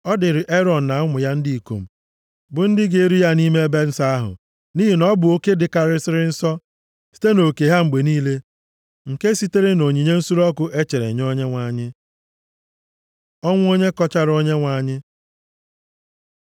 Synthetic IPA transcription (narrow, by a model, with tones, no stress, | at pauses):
ɔ˦dɪ˨ɾɪ˨ʔe˦ɾɔ˨n̩˨na˨˦ŋʷʊ˨ja˦n̩˦di˦i˨ko̰˨m̩˨ | bʊ˨n̩˦dɪ˦ɡe˨e˦ɾi˦ja˦ni˦me˦e˦be˦n̩˦sa˦a˦ɦʊ̰˨ | niː˦ɦi˨nɔ˦bʊ˨o˦ke˦dɪ˨ka˨ɾɪ˦sɪ˦ɾɪ˦n̩˦sɔ˦ | si̥˦te˦no˨ke˨ɦa˦ŋ͡m̩˨ɡ͡be˨niː˦le˦ | ŋ̩˨ke˦si˦te˦ɾe˦no˨ɲi˨ɲe˦n̩˦su˦ɾɔ˦kʊ˦ʔe˦t͡ʃe˨ɾḛ˨ɲ˦o˦ɲe˦ŋʷa˨ɲɪ˦ | ɔ˦ŋʷ˦o˦ɲe˦kɔ˦t͡ʃa˦ɾo˦ɲe˦ŋʷa˨ɲɪ˦